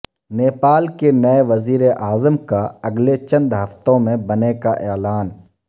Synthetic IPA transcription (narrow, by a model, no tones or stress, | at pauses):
neːpaːlkenɐeʋɐziːɾeʔaːzəmkaɐɡlet͡ʃɐ̃nd̪ɦɐft̪õmẽbɐnekaʔɛːlaːn